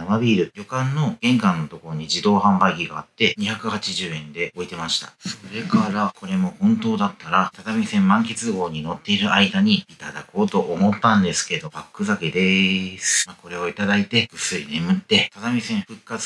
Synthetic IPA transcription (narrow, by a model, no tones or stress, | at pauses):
amabʲiːɾɯ̟jo̞kãnːo̞ɡ̥ẽ̞ŋkãnːo̞t̪o̞ko̞ɾo̞ɲ̟iʑid̪o̞ːhãmbaiɡʲiɡaːt̪ːe̞ɲ̟içakɯ̟hat͡ɕiʑɨːẽ̞nd̪e̞o̞it̪e̞maɕi̥t̪ḁ̰soɾe̞kaɾakʰo̞ɾe̞mo̞hõ̞nt̪o̞ːd̪at̪ːaɾat̪ad̪amʲisẽmːãŋke̞t͡sɨɡo̞ːɲ̟ino̞t̪ːe̞iɾɯ̟aid̪aɲ̟iːt̪ad̪a̰ko̞ːt̪o̞ʔomo̞t̪ːãnd̪e̞sɨ̥ke̞d̪o̞bakːɯ̟zaked̪e̞sɨ̥mako̞ɾe̞o̞it̪ad̪ait̪e̞ɡɯ̟sɨḭne̞mɯ̟t̪ːe̞t̪ad̪amʲisẽ̞ɰ̃ɸɯ̟kːat͡sɨ̥